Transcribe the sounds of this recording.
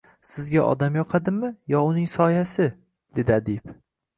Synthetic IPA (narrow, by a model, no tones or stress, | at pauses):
sɪzɡʲaʔɒ̰d̪amjɒqʰɑd̪ɪmɪjɒʊnɪŋsɒjasɪ | d̪̥e̞d̪ɪad̪ip